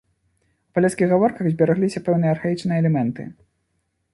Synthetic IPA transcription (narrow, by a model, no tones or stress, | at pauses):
wpalʲɛt̪skʲiɣɣavɔrkɐɣzʲbʲaɾaɣlʲisʲɐpɛwn̪ɨjɐːrxajit͡ʂnɨjɛɛlʲɛmɛnt̪ɨ̰